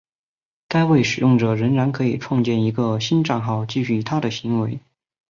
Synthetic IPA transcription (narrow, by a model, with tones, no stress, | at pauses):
ka˥ɪwe˥˩ɪʂɻ̩˨˩jʊ˥˩ŋʈ͡ʂə˨˩ɻə˧˥ŋɻa˧˥nkʰɤ˧˥i˨˩ʈ͡ʂʰwɑ˥˧ŋt͡ɕjɛ˥˩ni˧˥ɡə˧ɕi˥nʈ͡ʂa˥˧nxɑ˥˧ʊt͡ɕi˥˧ɕy˥˩t̪ʰa˥d̪ə˨ɕi˧˥ŋwe˧˥ɪ